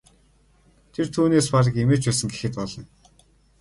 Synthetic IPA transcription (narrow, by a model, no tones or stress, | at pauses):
t̪ʰert̪ʰuːneːspaɾə̆kemeːt͡ɕpæːsə̆ŋɡexɘ̆t̪̚pɔɮɞ̆n